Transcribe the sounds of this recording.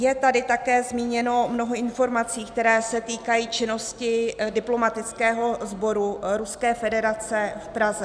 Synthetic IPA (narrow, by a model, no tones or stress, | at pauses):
jɛt̪adɪt̪akɛːzmiːɲɛno̞mno̞ɦoɪnfo̞ɾmat͡siːkt̪ɛɾɛːsɛt̪iːkajiːt͡ʃɪno̞scɪdɪplo̞mat̪ɪt͡skɛːɦo̞zbo̞ɾuɾuskɛːfɛdɛɾat͡sɛfpɾazɛ